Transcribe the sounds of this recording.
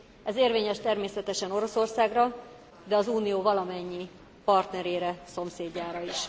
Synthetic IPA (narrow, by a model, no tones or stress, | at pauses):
ɛzeːrveːɲɛʃt̪ɛrmeːsɛt̪ɛʃɛno̞ɾo̞so̞rsaːɡrɒ | d̪ɛɒzuːnijoːvɒlɒmɛɲːi | pɒrt̪nɛɾeːɾɛso̞mseːɟːaːɾɒiʃ